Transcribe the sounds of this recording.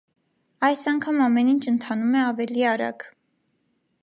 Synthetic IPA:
ɑjsɑŋkʰɑmɑmɛnint͡ʃʰənt̪ʰɑnumɛɑvɛliɑɾɑ̰ɡ

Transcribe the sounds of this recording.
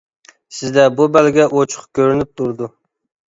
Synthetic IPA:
sɪzd̪ɛbubælɡʲɛʔot͡ʃʰʊ̥χkʲʰøɾynɪp̚t̪ʰuɾd̪ʊ

